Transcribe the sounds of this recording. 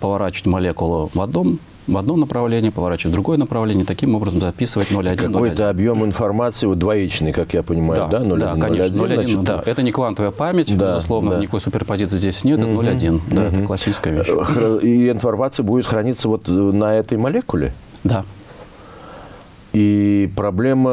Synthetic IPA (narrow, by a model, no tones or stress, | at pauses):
pəvɐɾat͡ɕɪ̥ətʲmɐlʲekʊlˠʊvɐd̪no̞m | vɐd̪no̞mnəpɾɐvlʲenʲɪjəpəvɐɾat͡ɕɪvət̚ʲd̪ɾʊɡo̞jənəpɾɐvlʲenʲɪjət̪ɐkʲimo̞bɾəzəmzɐpʲisɨvətʲno̞lʲɐdʲkiɐnoj̪ʲəɐbjo̞mɪnfɐrmat̪sɨɪvot̪̚d̪vɐit͡ɕnɨjkakjapənʲɪmajd̪ʊd̪anolʲd̪ankɐnʲenolʲind̪aʔɛt̪ənʲɪkvant̪əvəjəpamʲɪtʲd̪aɪzʊslˠovnəənʲɪkojsʊpʲɪrpɐzʲit̪sɨɪzʲdʲesʲnʲet̪ɛnolʲɐdʲind̪aɛt̪əklˠɐsʲːit͡ʃɪskəjvʲeiɪnfɐrmat̪sɨjəbudʲɪt̪xɾɐnʲit̪səvo̞t̪nɐɛt̪əjmɐlʲekʊlʲɪ̰ | d̪a | ipɾɐblʲe̞mə